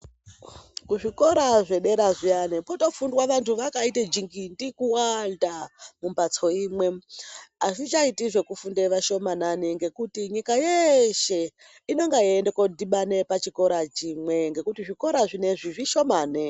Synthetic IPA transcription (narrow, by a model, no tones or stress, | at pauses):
kuʐiko̞ɾaʐe̞ɗe̞ɾaʐianepoto̞fundwaʋantʰuʋakaited͡ʒiŋɡindikuwaltamumbat͡so̞imwe̞ | asit͡ʃaitiʐe̞kufundeʋaʃo̞mananiŋɡe̞kutiɲikajeʃe̞ | ino̞ŋɡaiendeko̞diɓane̞pat͡ʃiko̞ɾat͡ʃimwe̞ŋɡe̞kutiʐiko̞ɾaʐine̞ʐiʐiʃo̞maːne